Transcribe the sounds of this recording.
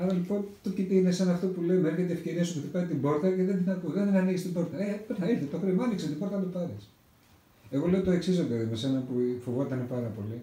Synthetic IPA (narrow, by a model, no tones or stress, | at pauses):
ɐɾɐlipo̞nt̪ot̪ipenesenɐːft̪o̞puleomeçet̪̬ee̞fce̞ɾiɐsupuθipɐit̪imbo̞ɾt̪ɐceðenðinɐkuðenðenɐniɣist̪imbo̞ɾt̪ɐepenɐilθet̪oxɾimɐnikset̪imboɾt̪ɐt̪opɐɾes | e̞ɣo̞le̞ot̪o̞e̞ksizop̪elɐðimese̞nɐpufovo̞t̪ɐnepɐɾɐpo̞li